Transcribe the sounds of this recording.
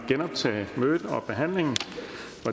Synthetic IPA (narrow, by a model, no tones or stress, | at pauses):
ɡ̥enɒ̽b̥̚t͡sʰɛ̰ːɪmøːð̥ɒ̽b̥e̝ɦæn̰le̝ŋn̩ | ʋɒ